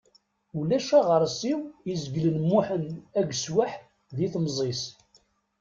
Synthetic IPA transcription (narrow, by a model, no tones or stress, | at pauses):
ulæʃæʁəɾˤsiwizəɡlənmːuħənæɡswaħ | ðiθmzˤis